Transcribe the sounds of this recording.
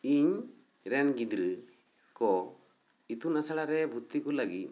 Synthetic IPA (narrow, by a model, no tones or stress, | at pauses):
iɲ | ɾɛnɡid̪ɾɨ | kɔ | it̪unasaɽaɾɛbʱut̪ːikɔlaɡit̪̚